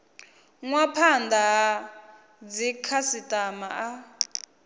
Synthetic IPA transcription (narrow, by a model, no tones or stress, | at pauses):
ŋwapʰandaɦa | d͡zikʰasitʼamaʔa